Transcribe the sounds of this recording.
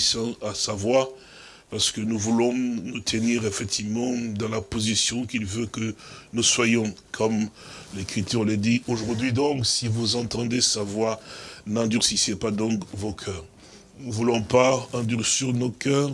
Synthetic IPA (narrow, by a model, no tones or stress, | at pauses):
sãasavwa | paʁsə̥kənuvulɔ̃nut̪ʰəniʁefɛk̚t̪ʰivmɑ̃d̪ɑ̃lapozisjɔ̃kilvøkənuswajɔ̃kʰɔmlekχit̪yʁlɛd̪ioʒuʁd̪ɥid̪ɔ̃ksivuzɑ̃t̪ɑ̃d̪esavwanɛ̃d̪yʁsisepad̪ɔ̃kvokʰœːʁ | nuvulɔ̃paɛ̃d̪yʁsiʁnokœːʁ